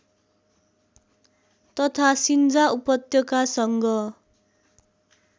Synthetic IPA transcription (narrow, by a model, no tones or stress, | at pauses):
t̪ʌt̪ʰasind͡zaupʌt̪jʌkasʌŋɡʌ